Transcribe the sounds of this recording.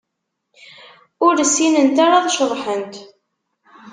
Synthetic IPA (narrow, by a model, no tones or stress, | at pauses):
ʊɾsːinənt̪aɾaðˤʃəɾˤħənt̪